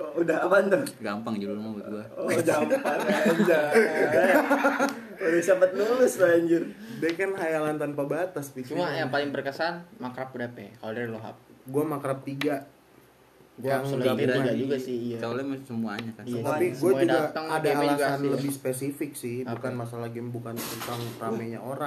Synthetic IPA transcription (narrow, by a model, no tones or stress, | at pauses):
udaapant̪anɡampaŋd͡ʒululmab̪ɡuaod͡ʒampand͡ʒaaja | odasapat̪̚nulɪsɾaɲd͡ʒʊrdɛhkanɦajalant̪anpabat̪astit͡ʃumuajaŋpalɪŋbərkəsanmakɾap̚udapɛ̰kalodaloɦa̰p̚ɡuamakɾap̚t̪iɡa | d͡ʒŋlaiɡad͡ʒuɡasɪiat͡ʃalamsəmuaɲakanat̪apiɡuad͡ʒudaɡat̪əŋadaalɡasanləbɪhspesifɪk̚sɪhbukanmas̬alaɡibukant̪utaŋramaɲa̰oɾaŋ